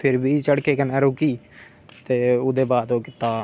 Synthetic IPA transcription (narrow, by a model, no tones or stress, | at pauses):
pʰɪɾbʱiːt͡ʃəɽkeːkənɛːɾoːkiː | t̪eːʊd̪eːbaːd̪oːkɪt̪aː